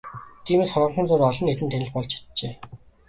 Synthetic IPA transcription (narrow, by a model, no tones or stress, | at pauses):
t̪ʰiːmeːsχɔrʁə̆ɴχə̆nt͡sʊːrɔɮɞ̆nːet̪ɘ̆nt̪ʰænɘ̆ɮpɔɮt͡ɕʰi̥t̪̚t͡ɕeː